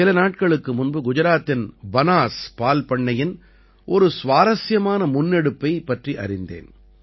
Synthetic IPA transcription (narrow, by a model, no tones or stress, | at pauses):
ɪlɐnaːʈ̚kɐɭɯkːɯmʊnbɯɡʊd͡ʒɐɾaːt̪ːɪnbɐnaːspaːlpɐɳːɐjɪn | ʔɔɾɯsʋaːɾɐsjɐmaːnɐmʊnːɛɽɯpːɐɪpːɐʈriʔɐ̰ɾɪnd̪ḛːn